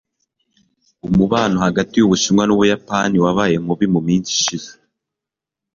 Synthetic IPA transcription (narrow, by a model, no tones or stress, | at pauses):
umuβaːnohaɡatijuβuʃimŋwanuβujapaniwaβaːje̞m̥uβimumiːnsi̥ʃize